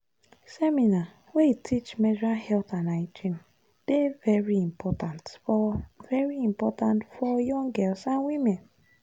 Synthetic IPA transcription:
sɛmina | weitʰit͡ʃmɛdɹahɛlθãnaid͡ʒĩm | d̥evɛɹiĩmpʰɔtãntfɔvɛɹiĩmpɔtãntfɔjɔ̃ŋɡɛlsãnwimẽn

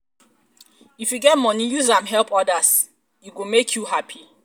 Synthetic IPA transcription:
ifjuɡɛt̚mɔnijuzãmɦɛlˠpɔdas | juɡomekʰjuɦapʰi

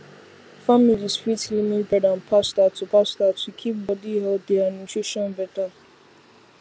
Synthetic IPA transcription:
familisfɹitlimĩbadãnpʰastatupastatʰukʰip̚bɔdiɦɛlt̚dɛanɔ̃nsɹeʃɔ̃nbɛta

